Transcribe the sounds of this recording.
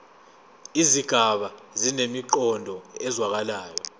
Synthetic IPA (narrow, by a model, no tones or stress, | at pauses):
iziɡ̥ʱaɓa | zinemiǃɔndʱɔɛzwak̬alaːjɔ